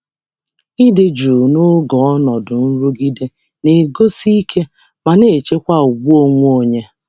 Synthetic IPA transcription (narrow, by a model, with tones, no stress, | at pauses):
i˦de˨d͡ʒu˨no˦ɡɔ˨ɔ˦nɔ˨dʊ˨n̩˦ɾu˦ɡi˦de˦ | ne˨ɡo˦si˦i˦kʰe˦ | ma˨ne˨t͡ʃe˦kʷa˦ʊ˨ɡ͡bu˦o˨ŋʷ˦o˨ɲe˦